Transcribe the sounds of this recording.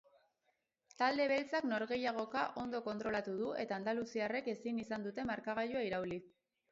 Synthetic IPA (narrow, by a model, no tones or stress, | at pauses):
t̪ald̪e̞βe̞lt͡sakno̞ɾɣe̞jaɣ̞o̞kaʔo̞nd̪o̞ko̞nt̪ɾo̞lat̪uðue̞t̪aːnd̪alusiare̞ke̞sinisand̪ut̪e̞maɾkaɣ̞aʎuaiɾauli